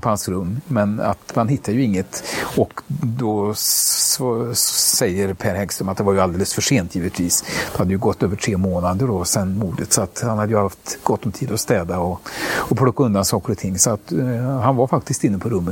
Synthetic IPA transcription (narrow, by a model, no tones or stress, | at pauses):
pʰɔhansɾɵmːmɛna̰t̪manɦɪt̪ʰːad̪jɵɪŋːət̪ɔkd̪ɔ | vsɛjːəɾpʰæɾhɛɡst̪ɾəmat̪̚d̪ɛvaɾjɵald̪eːləsfœʂeːnt̪jiːvət̪ʰviːsd̪ɛhad̪ːəjʉɡɔt̪ːøːvəʈʰɾeːmoːnad̪əɖɔsɛnmuːd̪ət̪sɔat̪hanhad̪ːəjɵhaft̪ɡɔt̪ːɔmt̪ʰiːd̪ɔst̪ɛːd̪aɔɔpʰɾɔkːaɵnd̪ansɑːkəɾɔt̪ʰɪŋːsɔat̪hanvaɾfak̚t̪ɪst̪ɪnːəpʰɔɾɵmːə